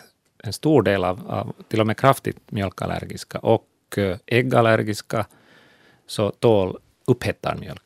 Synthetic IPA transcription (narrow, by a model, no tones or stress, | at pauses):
ɛnst̪uːɖeːlɑːvɑ̰t̪ʰɪlːɔmeːkʰɾaft̪ɪ̰t̪mjœlka̰læ̰ɾɡɪskaʔɔk | ʔɛɡalæɾɡɪska | sɔt̪ʰoːl | ɵphɛt̪ːa̰ɳmjœ̰lk